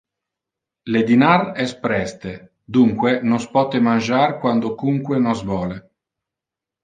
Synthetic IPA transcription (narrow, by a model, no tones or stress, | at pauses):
led̪inarɛspɾɛst̪e | d̪uŋkwenospɔt̪emand͡ʒarkwand̪okuŋkwenozvɔːle